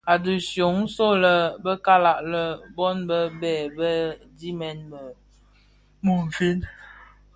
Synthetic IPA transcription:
a˨du˨sjo˨˦ŋ˦so˦lə˨bə˦ka˦la˦˨ʔlə˦bɔ˦nbə˦bɛ˨bə˦ | di˦mɛ˦nbə˨ | mu˨m̩˨fi˦n

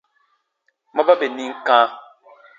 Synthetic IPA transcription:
ma˦ba˦be˨ni˦ŋ̩˦kãː˦

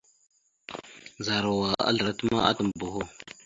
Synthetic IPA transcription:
za˨ɾa˨wa˨a̰˦ɮə˨ɾa˦tə˦ma̰˦a̰˦tə˨m˨bo˨ɦo˦

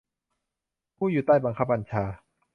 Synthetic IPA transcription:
pʰuː˥˩juː˨˩t̪aː˥˩jba˧ŋkʰa˦˥p̚ba˧nt͡ɕʰaː˧

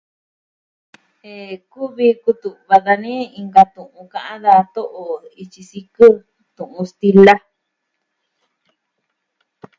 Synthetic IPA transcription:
e˧ku˦βi˧ku˧t̪u˨βa˧ða˧nĩ˦i˧ŋɡa˧t̪ũ˨ʔũ˧kã˧ʔã˦ða˧t̪o˦ʔo˨i˧t͡ʃi˧si˧kɨ˦ | t̪ũ˨ʔũ˧st̪i˧la˦

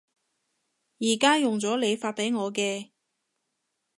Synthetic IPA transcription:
jiː˨˩kaː˥jʊ˨ŋt͡sɔː˨˥le˨˧jfaː˧t̚pe˨˥jŋɔː˨˧kɛː˧

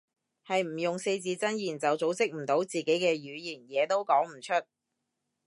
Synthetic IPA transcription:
hɐ˨jm̩˨˩jʊ˨ŋse˧jt͡siː˧t͡sɐ˥njiː˨˩nt͡sɐ˨wt͡so˨˥wt͡sɪ˥k̚m̩˨˩t̪o˨˥wt͡siː˨ke˨˥jkɛː˧ɥyː˨˧jiː˨˩njɛː˨˧t̪o˥wkɔː˨˥ŋm̩˨˩t͡ʃʰɵ˥t̚

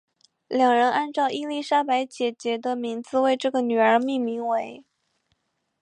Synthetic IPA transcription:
ljɑ˨˩ŋɻə˧˥nʔa˥˧nʈ͡ʂɑ˥˧ʊʔi˥˧li˥˩ʂa˥pa˧˥ɪt͡ɕjɛ˨˩t͡ɕjɛ˧˥d̪ə˧mi˧˥ŋd͡zɹ̩˧we˥˧ɪʈ͡ʂɤ˥˩ɡə˩ny˨˩ə˞˧˥mi˥˩ŋmi˧˥ŋwe˧˥ɪ

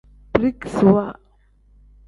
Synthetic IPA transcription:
bɾi˦kswa˦˨

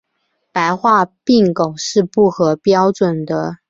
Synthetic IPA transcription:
pa˧˥ɪxwa˥˧pi˥˩ŋko˨˩ʊʂɻ̩˥˧pu˥˩xɤ˧˥pjɑ˥ʊʈ͡ʂwə˨˩nd̪ə˦

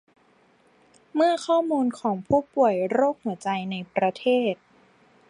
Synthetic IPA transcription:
mɯ˥˩ɐkʰɔː˥˩muː˧nkʰɔː˩˦ŋpʰuː˥˩pu˨˩əjɾoː˥˩k̚hɯ˩˦ɐt͡ɕa˧jna˧jpɾa˧t̪ʰeː˥˩t̪̚

